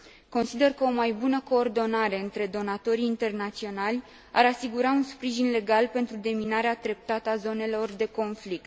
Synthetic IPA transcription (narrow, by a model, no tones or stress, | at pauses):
ko̞nsid̪e̞rkəo̞majbunəko̞ːrd̪o̞naɾe̞ɨnt̪ɾe̞d̪o̞nat̪o̞ɾiːnt̪e̞rnat̪sio̞nalʲ | a̰ɾasiɡuɾaunspɾiʒinle̞ɡalpe̞nt̪ɾud̪e̞minaɾeat̪ɾe̞p̚t̪at̪əazo̞ne̞lo̞rd̪e̞ko̞nflik̚t̪